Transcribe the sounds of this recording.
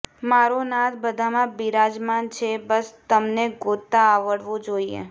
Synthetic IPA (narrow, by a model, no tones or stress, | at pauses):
maɾonat̪ʰbəd̪ʱamãbiɾad͡ʒmant͡ʃʰebəst̪əmneɡot̪ːaːʋəɽʋõd͡ʒoiḛ